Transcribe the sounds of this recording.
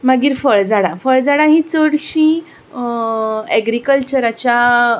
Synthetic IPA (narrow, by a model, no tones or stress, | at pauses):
maɡiːɾfəɭd͡zaɽãfəɭd͡zaɽaɦĩt͡səɽɕĩ | ɛɡɾikəlt͡ɕəɾat͡ɕja